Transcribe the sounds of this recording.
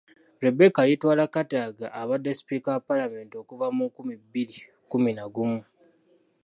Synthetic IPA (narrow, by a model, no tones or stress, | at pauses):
ɾebekajitwaːlakataːɡaʔːβadːesi̥pikapalame̞ːntio̞kuvamukumibiɾi | kuminaɡumu